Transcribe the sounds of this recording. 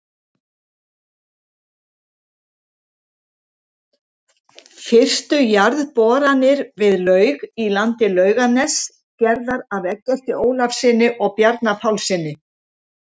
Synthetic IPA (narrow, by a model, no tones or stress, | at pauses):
fɪr̥t̪ʏjaɾðpɔːɾanɪɾvɪðlœːɥɣilant̪ɪlœːɥɣanɛs | cɛɾðaɾavɛkːɛst̪ɪoːwlafsɪnːɪʔɔɣpjaɾt̪napʰawlsɪːnːɪ